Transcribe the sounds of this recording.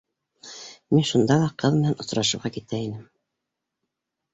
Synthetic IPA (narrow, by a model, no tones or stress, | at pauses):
minʃund̪ɑlˠɑqʰɤðmɘ̆nænŏsɾɑʃɤ̆ɾʁɑkit̪æinɘm